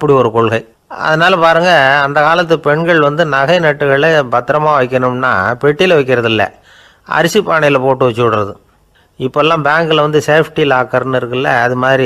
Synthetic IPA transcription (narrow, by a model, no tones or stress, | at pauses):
ɐpːɐɽiɔɾɯkɔɭɣɐɪ | ɐ̰ðɐnaːlɐpaːɾɯŋɡɐːnd̪ɐkaːlɐt̪̬ːɯpɛɳɡɐɭʋɐnd̪ɯnɐɣɐɪnɐʈːɯɣɐɭɭɐbɐt̪ːɪɾɐmaːʋɐɪkʲːɐɳɯmna̰ːpɛʈːɪlɐʋɐɪkːɪɾɐðɪlːɐ̰ | ʔɐ̰ɾɪsipːaːɳɐjɪlɐpoːʈːɯʋɐt͡ʃːɯɽɯɾɐðɯ | ɪpːoɛlːãːbaːŋɡɯlɐʋɐnd̪ɯseːfʰʈilaːkɐɾɐnɪɾɯkːɪlːɐɐðɯmaːðɾi